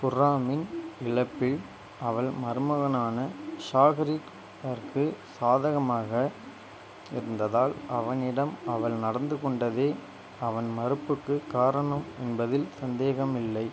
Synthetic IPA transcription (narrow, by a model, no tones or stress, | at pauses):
pʊraːmɪnɪɭɐpːɪɭ | ɐʋɐɭmɐɾɯmɐɣɐnaːnɐʃaːɣɐɾik | ɐɾkɯsaːðɐɣɐmaːɣɐ | ɪ̰ɾɯnd̪ɐðaːlɐʋɐnɪɽɐmɐʋɐɭnɐɽɐnd̪ɯkɔɳɖɐðeː | ɐʋɐnmɐɾɯpːɯkːɯkaːɾɐɳɐmɛnbɐðɪlsɐnd̪eːɣɐmɪlːɐɪ